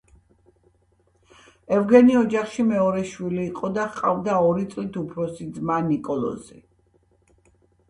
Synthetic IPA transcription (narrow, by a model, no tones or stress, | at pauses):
ɛvɡɛniɔd͡ʒaχʃimɛɔɾɛʃwiliːqʼɔd̪aχqʼavd̪aɔɾit̪sʼlit̪ʰupʰɾɔsid̪zmanikʼɔlˠɔ̰zḭ